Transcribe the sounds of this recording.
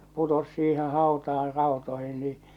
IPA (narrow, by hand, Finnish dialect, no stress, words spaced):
putos siːhẽː hɑˑotɑːr rɑˑotoihin niː